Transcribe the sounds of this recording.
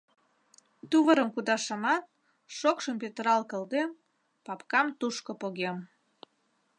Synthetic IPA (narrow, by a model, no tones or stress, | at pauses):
t̪uβəɾəmkud̪ɑʃəmɑt̪̚ | ʃokʃəmpet̪əɾɑlkə̆ld̪em | pɑpkɑmt̪uʃkopoɣem